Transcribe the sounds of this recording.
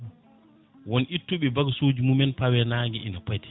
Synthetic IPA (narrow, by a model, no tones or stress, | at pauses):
wɔnʔitːuɓɛbaɡsod͡ʒumumɛnpawɛnaːɡɛḭnapajti̥